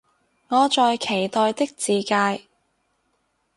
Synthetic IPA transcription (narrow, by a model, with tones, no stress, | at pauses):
ŋɔː˨˧t͡ʃɔː˨˧jkʰe˨˩jt̪ɔː˨jt̪ɪ˥k̚t͡siː˨kaː˧j